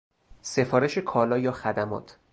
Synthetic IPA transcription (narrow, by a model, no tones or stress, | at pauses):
se̞fɒːɾe̞ʃe̞kʰɒːlɒːjɒːxæd̪æmɒ̰ːt̪ʰ